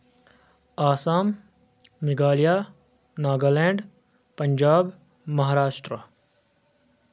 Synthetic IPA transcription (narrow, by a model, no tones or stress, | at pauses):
aːsaːmː | iɡaːlijaː | naːɡɐleːɳɖ | pɐɲd͡ʒaːb | mɐɦaːɾaːʂʈɾə